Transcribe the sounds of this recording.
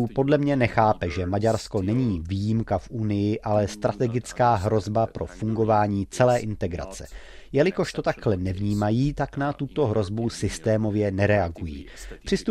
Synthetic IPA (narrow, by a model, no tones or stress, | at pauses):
po̞dlɛmɲɛnɛxaːpɛʒɛmaɟaɾsko̞nɛɲiːviːjimkafʔunɪjɪʔalɛst̪ɾat̪ɛɡɪt͡skaːɦɾo̞zbapɾo̞̰fuŋɡo̞vaːɲiːt͡sɛlɛːʔɪnt̪ɛɡɾa̰t͡sɛ̰ | jɛlɪko̞ʃt̪o̞t̪akhlɛnɛvɲiːmajiːt̪aknat̪ut̪o̞ɦɾo̞zbusɪst̪ɛːmo̞vjɛnɛɾɛaɡujḭːpr̥ɪst̪u